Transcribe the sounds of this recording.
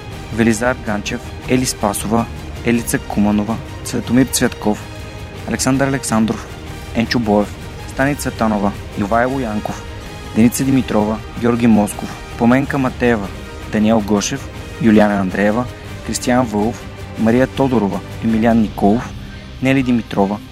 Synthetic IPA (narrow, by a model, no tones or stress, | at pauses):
vɛlizaɾɡant͡ʃɛf | ɛlispasovə | ɛlit̪sɐkumɐnovə | t̪svɛt̪omiɾt̪svɛt̪kɔf | ɐlɛksand̪əɾɐlɛksand̪ɾof | ɛnt͡ʃʊbɔɛf | st̪anit̪sət̪anovə | jovaɛlˠojaŋkof | d̪ɛnit̪səd̪imit̪ɾɔvɐ | ɡʲɔɾɡʲimɔskof | pomɛŋkəmɐt̪ɛɛvɐ | d̪̥ɐniɛlˠɡɔʃɛf | julianɐːnd̪ɾɛɛvə | kɾist̪ijanvɤlˠof | mɐɾijət̪ɔd̪oɾovə | ɛmilianːikɔlˠof | nɛlid̪imit̪ɾɔvə